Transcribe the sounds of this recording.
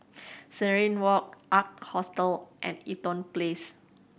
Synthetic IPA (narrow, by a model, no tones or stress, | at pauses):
səɹĩnwɔk̚ʔak̚t̚hɔstəlʔɛ̰̃nitɔ̃nples